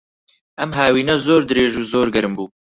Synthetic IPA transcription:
ɐmɦaːwiːnɛzoːɾd̪ɨɾeːʒuːzoːɾɡɛɾɨmbuː

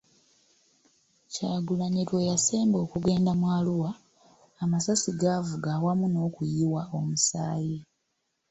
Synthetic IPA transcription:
caːɡulaɲitwe̞jase̞ːmbo̞ːkuɡe̞ːndamwaːluwaː | masasiɡaːvuɡaːwamuno̞ːkujiwao̞musaːji

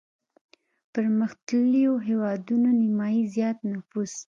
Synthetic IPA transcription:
pəɾməxt̪əlijoɦewɑd̪unonɪmɑjizjɑt̪nafus

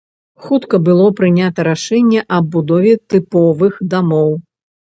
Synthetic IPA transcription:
xut̪kɐbɨlˠɔpɾɨnʲat̪ɐɾaʂɛnʲːɛʔɐbud̪ɔvʲɛt̪ɨpɔvɨxd̪amɔw

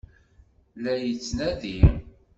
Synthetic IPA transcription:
læjət͡sːnæði

